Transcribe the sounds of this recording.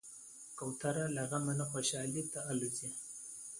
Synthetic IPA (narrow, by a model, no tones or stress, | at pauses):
kawt̪aɾalaɣamanaxoʃɑːlit̪aaluzi